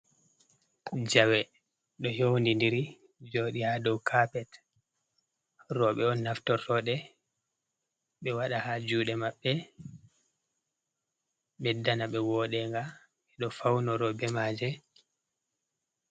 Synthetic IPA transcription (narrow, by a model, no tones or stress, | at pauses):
d͡ʒawɛ | ɗɔjowndindiɾi | d͡ʒoːɗihadɔwkʰapɛt | rɔɓɛɔnːaftɔrːɔɗɛ | ɓɛwaɗahad͡ʒuːɗɛmaɓːɛ | ɓɛdanaɓɛwɔːɗɛŋɡa | ɛɗɔfawnɔɾɔbɛmaːd͡ʒɛ